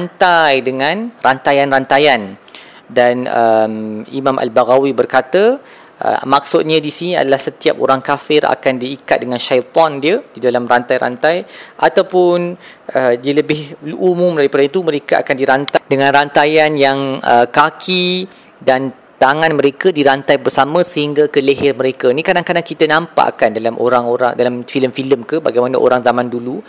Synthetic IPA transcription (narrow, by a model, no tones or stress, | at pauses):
ant̪ajdəŋãnrant̪ajanrant̪ajan | danəmimãmʔa̰lbaɣawibərkat̪ə | ʔə̰mak̚sʊt̪̚ɲãdisinia̰dalahsət̪iap̚o̰ɾaŋkafɪra̰kandiːkat̪̚dəŋãnʃajt̪ɔndiədidalamrant̪ajɾa̰nt̪ajʔat̪awpʊnʔədiələbɪhlumũmdaɾipadait̪umə̃ɾekaa̰kandiɾant̪adəŋãnrant̪ajanjaŋə̰kakʰi | dan | t̪aŋãnmə̃ɾekadiɾant̪ajbərsamə̃səhiŋɡakələɦɛrmə̃ɾekanĩkadaŋkadaŋkit̪ənãmpa̰ʔa̰kandalamʔo̰ɾaŋoɾa̰ŋdalamfiləmfiləmkəbaɡajmanəʔo̰ɾaŋzamãndulu